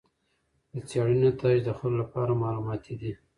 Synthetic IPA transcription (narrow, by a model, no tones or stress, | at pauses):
d̪ət͡sjɑɽənot̪ʰɑd͡ʒd̪əxololapɑɾamɑlumɑt̪ʰid̪i